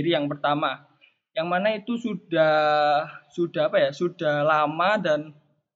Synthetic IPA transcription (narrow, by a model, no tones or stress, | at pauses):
ɾijaŋpərt̪ama | jaŋmanait̪usudah | sud̥aɦapajasud̥ahlamadan